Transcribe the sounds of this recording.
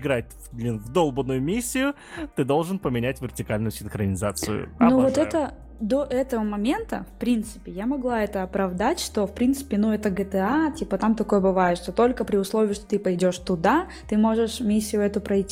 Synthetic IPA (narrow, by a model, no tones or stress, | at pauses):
ɡɾat̚ʲ | d̪lʲinvd̪o̞lˠbənʊjʊmʲisʲːɪjʊ | t̪ɨd̪o̞lˠʐɨnpəmʲɪnʲætʲvʲɪrtʲɪkalʲnʊjʊsʲɪnxɾənʲɪzat̪sɨ̰jʊ̰novot̪ɛt̪ə | d̪o̞ʔɛt̪əvəmɐmʲe̞nt̪ə̰fpɾʲint̪sɨ̥pʲɪjamɐɡlˠaɛt̪əɐpɾɐvd̪atʲʂt̪o̞fpɾʲint̪sɨ̥pʲɪnuɛt̪əɡət̪ɛatʲipət̪amt̪ɐko̞jəbɨvajɪt̪ʂt̪o̞t̪o̞lʲkəpɾʲɪʊslˠovʲɪɪʂt̪o̞t̪ɨpɐjdʲo̞ʂt̪ʊd̪a | t̪ɨmo̞ʐɨʂmʲisʲːɪjʊɛt̪ʊpɾɐjtʲːi